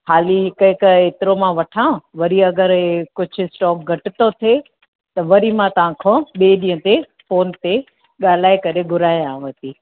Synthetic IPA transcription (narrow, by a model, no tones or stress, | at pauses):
haːliɦɪkɐɦɪkeːt̪ɪɾomãʋɐʈʰãːʋɐɾiɐɡəɾekʊd͡ʑʱʊɪsʈɔːk̚ɡʱɐʈɪt̪ot̪ʰe | t̪ɐʋɐɾimãt̪ɐʋ̤ãkʰõːɓeːɗĩːə̃t̪e | foːnt̪e | ɠaːl̤aːekɐɾeɡʱʊɾaːjãːʋɐt̪iː